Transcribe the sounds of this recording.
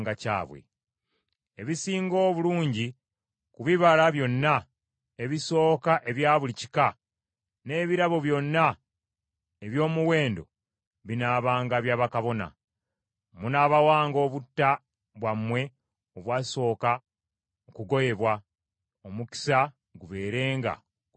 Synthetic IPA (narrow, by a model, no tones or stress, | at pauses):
ɡaca̰ːβwḛ | eβisiːŋɡo̞ːβuluːɲɟi | kuβiβalaβjo̞nːa | e̞βiso̞ːkaʔe̞βjaːβulici̥ka | ne̞ːβiɾaβo̞βjo̞nːa | eβjo̞ːmuwe̞ːndo̞̰ | βinaːβaːŋɡaβjaːβakaβo̞na̰ | munaːβawaːŋɡo̞ːβutːa | βwamːwe̞ | oβwaːso̞ːka | okuɡo̞je̞βwa | omuki̥sa | ɡuβe̞ːɾe̞ːŋɡa̰